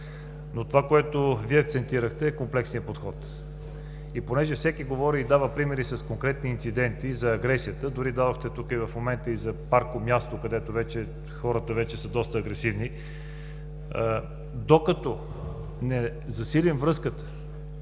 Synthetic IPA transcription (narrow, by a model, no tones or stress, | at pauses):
not̪ovakoɛt̪oviɛɐk̚t̪sɛnt̪iɾəxt̪ɛːkomplɛksnijəpot̪xɔt̪ | iponɛʒɛfsɛkiɡovɔɾiid̪avəpɾimɛɾisɐskoŋkɾɛt̪̚niːnt̪sid̪ɛnt̪izɐːɡɾɛsijət̪əd̪ʊɾid̪ad̪oxt̪ɛt̪ukəivɐfmomɛnt̪əizɐpaɾkomjast̪okɐd̪ɛt̪ovɛt͡ʃɛ | xɔɾət̪əvɛt͡ʃɛsəd̪ɔst̪əːɡɾɛsivni | d̪okət̪ɔ | nɛ | zɐsilʲimvɾɤskət̪ə̥